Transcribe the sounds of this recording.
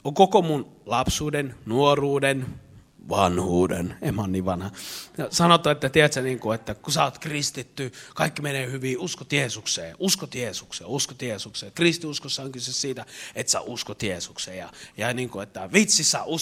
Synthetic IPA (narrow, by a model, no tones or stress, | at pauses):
oŋkokomunlɑpsuːdennuoruːden | ʋɑnhuːdḛnemːonːiːʋʋɑnhɑjɑsɑnot̪ːˑɑet̪ːæt̪iæt̪sæniːŋkuet̪ːækusæot̪krist̪it̪ːykɑikːimeneːhyʋiːuskot̪jeːsuksḛːʔuskot̪jeːsuksḛːuskot̪jeːsukseːkrist̪iuskosːɑoŋkysessiːt̪æet̪sæ̰ʔuskot̪jeːsukseːjɑ̰jɑniːŋkuet̪ːæʋit̪sisːæʔu